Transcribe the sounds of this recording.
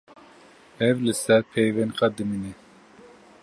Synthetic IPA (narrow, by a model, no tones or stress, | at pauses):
ɛvlɨsɛɾpʰejvɛnqɑd̪ɨmine